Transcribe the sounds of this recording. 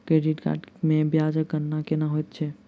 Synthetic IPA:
kɾeːɖiʈka̰ːɖmẽbjaːd͡ʒəkːəɾnakenaɦojt̪̚t͡ʃʰɛ

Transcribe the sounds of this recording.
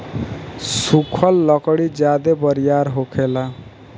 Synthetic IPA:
sukʰʌlːʌkɔɽid͡ʒad̪ebʌɾijaɾɦokʰela

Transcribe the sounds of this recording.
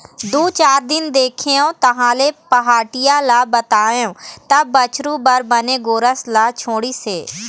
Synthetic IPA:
d̪uːt͡ʃaːɾd̪ɪnd̪eːkʰeõːt̪ɐɦãːleːpɐɦaːʈɪjalabət̪aːjõːt̪ɐbət͡ʃɾuːbəɾbəneːɡoːɾəslat͡ʃʰoːɽiːseː

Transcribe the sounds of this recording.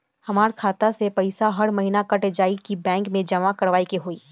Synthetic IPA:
hɐmaːɾkʰaːt̪asepɐɪsaɦɐɾmɐɦiːnakɐʈed͡ʒaːikibɛ̃ːŋkmẽd͡ʒɐmakɐɾʋaːikeɦoːiː

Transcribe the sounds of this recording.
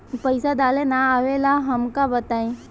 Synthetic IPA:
pəɪsad̪aːlenaaʋelaɦɐmkabət̪aːĩ

